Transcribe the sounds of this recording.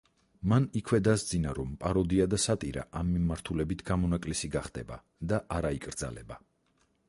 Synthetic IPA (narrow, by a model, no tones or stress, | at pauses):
manikʰwɛd̪asd̪zinaɾɔmpʼaɾɔd̪iad̪asat̪ʼiɾa̰ʔamːimaɾt̪ʰulɛbit̪ʰɡ̥amɔnakʼlisiɡaχd̪ɛba̰ | d̪aʔaɾaikʼɾd̪za̰lɛ̰ba